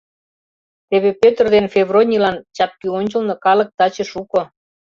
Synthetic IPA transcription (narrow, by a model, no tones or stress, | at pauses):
t̪eβepøt̪ərd̪enfʲeβrolʲnʲilɑnt͡ɕɑp̪̚kyonʲt͡ɕəlnɤ̆kɑlɤ̆k̚t̪ɑt͡ɕĕʃuko